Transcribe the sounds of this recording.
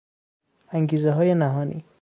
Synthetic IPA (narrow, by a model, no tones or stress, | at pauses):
æŋɡiːzeɦɒːjenæɦɒːnḭː